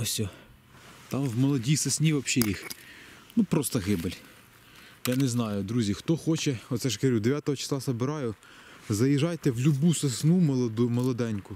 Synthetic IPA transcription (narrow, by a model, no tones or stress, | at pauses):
ɔsʲɔ | t̪ɑmwmɔlˠɔdʲisesnʲiʋɐpʃɛjixnupɾɔst̪ɐɣɪbelʲ | janɛznɑjʊd̪ɾuzʲixt̪ɔxɔt͡ʃɛɔt̪sɛʃkeɾʲud̪eʋʲat̪ɔɦɔt͡ʃɐ̥slˠɑsɐbɪɾɑjʊ | zɐjiʒɑjt̪ɛwlʲʊbusesnumˠmɔlˠɔd̪ɛnʲkʊ